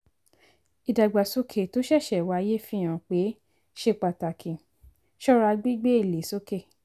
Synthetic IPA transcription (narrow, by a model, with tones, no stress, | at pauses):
i˨da˨ɡ͡ba˨so˧˦kʰe˨to˨˦ʃɛ˦˨ʃɛ˨wa˧˦je˦fĩ˦ã˨˧˨k͡pe˨˦ | ʃe˦˨k͡pa˨ta˨kʰĩ˨ | ʃɔ˦ɾa˧ɡ͡bi˦ɡ͡be˦i˦˨le˨so˦ke˦˨